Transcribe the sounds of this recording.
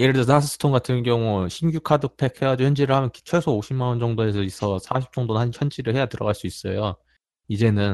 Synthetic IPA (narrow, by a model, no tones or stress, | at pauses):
jeɾɯɭdesʰnas̬ʰɯ̥s͈ʰɯ̥tʰoŋɡatʰɯnɡjʌŋuɕʰimɡjukʰadɯk̚pʰe̞k̚he̞jad͡ʑoçjʌnd͡ʑiɾɯɭhamjʌnit͡ɕʰwesʰooɕʰimːanʌnd͡ʑʌŋdoe̞sʰʌisʰʌsʰaɕʰi̥p̚t͡ɕʌŋdonɯnɦançjʌnd͡ʑiɾɯɭhe̞jatɯɾʌ̰ɡaɭs͈uis͈ʌ̰jo | id͡ʑe̞nɯn